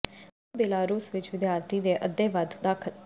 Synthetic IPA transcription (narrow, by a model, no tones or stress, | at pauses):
beːlaːɾuːsʋɪt͡ʃʋɪd̪jaːɾt̪ʰiːd̪eːʔəd̪ːeːʋəd̪ʱd̪aːkʰə